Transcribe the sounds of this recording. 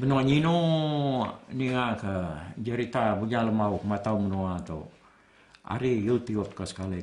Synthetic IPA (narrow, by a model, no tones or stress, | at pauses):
bənuaɲinu | niŋakəd͡ʒəɾit̪abuɲaləmaukəmat̪aumənuat̪a̰ | a̰ɾijult̪iɔt̪̚kəsə̥kali